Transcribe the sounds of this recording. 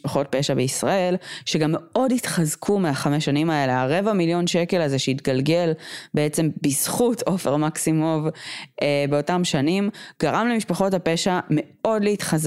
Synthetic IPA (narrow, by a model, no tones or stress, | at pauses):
paχo̞t̚pe̞ʃabeisʁae̞lʃeɡamːeo̞ditχazkʰumeaχameʃanimae̞le̞aʁe̞vamiljo̞nʃeke̞lazeʃeitɡalɡe̞lbe̞et͡se̞mbizχutʰo̞fe̞ʁmaksimovebeo̞tamʃanimɡ̥aʁamlemiʃpaχo̞tape̞ʃame̞o̞dleitχaz